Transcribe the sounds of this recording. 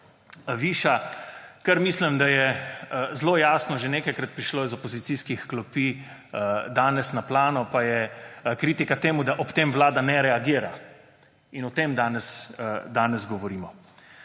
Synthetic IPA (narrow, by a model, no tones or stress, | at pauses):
ʋiːʃakɐɾmiːslimd̪ajɛ | zloːjaːsnɔʒeneːkajkɾat̪̚pɾiʃloːizɔpɔzit̪siːskixklɔpi | d̪aːnɛsnaplaːnɔpajɛkɾiːt̪ikat̪eːmud̪aʔɔpt̪eːmʋlaːd̪anɛɾɛaɡiːɾa | inɔt̪eːmd̪aːnɛsd̪aːnɛzɡɔʋɔɾiːmɔ